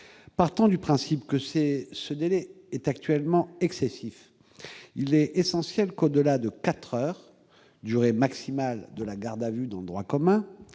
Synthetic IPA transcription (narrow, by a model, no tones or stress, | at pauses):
paʁt̪ɑ̃d̪ypχɛ̃sipkəsesəd̪elɛ | ɛt̪ak̚t̪ɥɛlmɑ̃ɛksesif | ilɛesɑ̃sjɛlkod̪əlad̪əkat̪χœːʁ | d̪yʁemaksimald̪əlaɡaʁd̪avyd̪ɑ̃ləd̪ʁwakɔmɛ̃